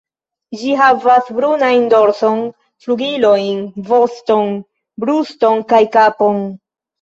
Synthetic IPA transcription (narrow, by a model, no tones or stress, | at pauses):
d͡ʒiɦavasbɾunajndo̞ɾso̞n | fluɡilo̞jnvo̞sto̞n | bɾusto̞nkajkapo̞n